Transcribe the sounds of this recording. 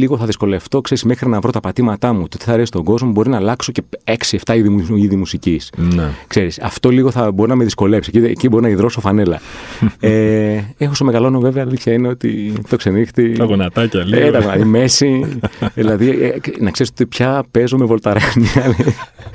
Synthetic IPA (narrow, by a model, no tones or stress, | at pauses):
liɣoθɐðisko̞le̞ft̪o̞kseɾismexɾinɐvɾo̞t̪ɐpɐt̪imɐt̪ɐmut̪ot̪i̥θɐːɾesi̥st̪o̞ɡo̞zmo̞bo̞ɾinɐlɐkso̞ce̞e̞ksieft̪ɐiðiiðimusicisnekse̞ɾisɐ̰ft̪o̞liɣo̞θɐbo̞ɾinɐmeðisko̞lepiseciecibo̞ɾinɐiðɾo̞sofɐne̞lɐ̰ | eexosome̞ɣɐlo̞nove̞veɐːliθçɐineot̪ḭt̪o̞kse̞nixt̪itɐɣonɐt̪ɐcɐlet̪ɐɣonɐt̪ime̞siðilɐðinɐkse̞ɾist̪ot̪ipçɐpe̞zomevo̞lt̪ɐɾɐnɐl